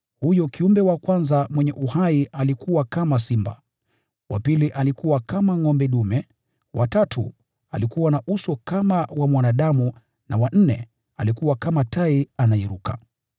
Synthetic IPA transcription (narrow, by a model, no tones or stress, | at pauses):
hujɔkiumbɛwakwanzamwɛɲɛʔuhaialikuwakamasimba | wa̰piliʔalikuwakamaŋɔmbɛɗumɛ | wʔatatṵ | alikuwanaʔusɔkamawamwanaɗamu | na̰wan̩nɛ | alikuwakamataianaiɾuka̰